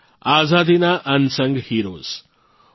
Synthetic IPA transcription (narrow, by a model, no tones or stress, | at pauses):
aːzaːd̪inaʔɐnsɐŋɡhiːɾo̰ːz̥